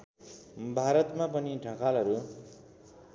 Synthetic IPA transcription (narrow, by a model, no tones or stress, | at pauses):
bʱaɾʌt̪mapʌniɖʱʌ̃kalɦʌɾu